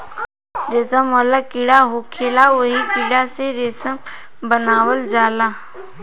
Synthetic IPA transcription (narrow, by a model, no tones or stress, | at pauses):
ɾesəmɔlakɪɽaɦokʰeːlaʋəɦikɪɽaseɾesəm | bənaːʋəld͡ʒaːlaː